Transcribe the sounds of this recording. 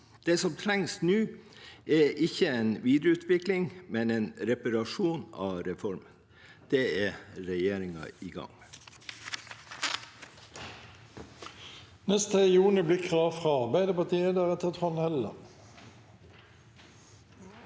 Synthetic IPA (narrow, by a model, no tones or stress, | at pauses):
d̪̥eːsɔmt̪ʰɾæŋsnʉːɛʔɪçəeːnʋiːd̪ɾəʉːt̪ʰʋɪklɪŋmɛneːnɾɛpɑɾɑʂuːnɑ̰ːɾɛfɔɾmən | d̪̥eːæɾɛjeːɾɪŋɑ̰iːɡɑ̰ŋ | nɛst̪əjuːnɪblɪkʰʁɑːʋfʁɑɑʁbæɪd̪əpɑt̪ʰiːəd̪æʁət̪ʰɛt̪fɔnhɛlə̰